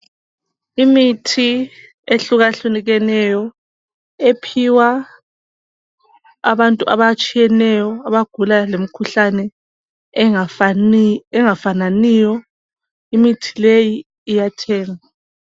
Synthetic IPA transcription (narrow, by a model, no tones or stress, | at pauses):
imitʰi | eɬuɣaɬuniɣɛnɛjɔ | epʰiwa | βantʼuʔa̰βat͡ʃʼijɛnɛjɔaβaɡ̥ʱulalem̩kʰuɬanɛ | ɛŋafananiːjɔ | imitʰi̥lejiː | jatʰɛːŋa